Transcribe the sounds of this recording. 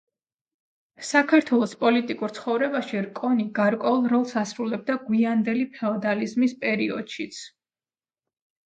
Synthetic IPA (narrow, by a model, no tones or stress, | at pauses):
sakʰaɾt̪ʰwɛlˠɔspʼɔlit̪ʼikʼuɾt̪sʰχɔvɾɛbaʃiɾkʼɔniɡaɾkʼwɛulˠɾɔlˠsasɾulɛb̚d̪aɡwiand̪ɛlipʰɛɔd̪alizmispʼɛɾiɔ̰d̪̥ʃit̪sʰ